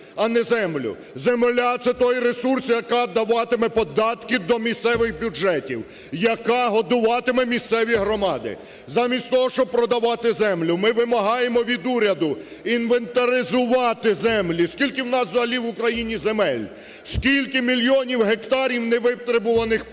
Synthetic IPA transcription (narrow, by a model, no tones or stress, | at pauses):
ɐnɛzɛmlʲʊ̰ | zemelʲat̪sɛt̪ɔjɾesursjɐkaɑd̪ɐʋɑt̪ɪmɛpɔd̪ɑt̪kɪd̪ɔmʲist̪sɛʋɪxbʲjud͡ʒɛtʲiw | jɐkɑɦɔd̪ʊʋɑt̪ɪmɛmʲist̪sɛʋʲiɦɾɔmɑd̪ɪ̰ | zɑmʲisʲtʲt̪ɔɦɔʃt͡ʃɔb̚pɾɔd̪ɐʋɑt̪ɪzɛmlʲʊmɪʋɪmɐɦɑjemɔʋʲid̪uɾʲɐd̪ʊ | inʋent̪ɐɾʲɪzʊʋɑt̪ɪzɛmlʲiskʲilʲkɪwnɑszɦɐlʲiʋʊkɾɐjinʲizemɛlʲ | skʲilʲkɪmʲilʲjɔnʲiwɦekt̪ɑɾʲiwnɛʋɪpt̪ɾɪbʊʋɐnɪx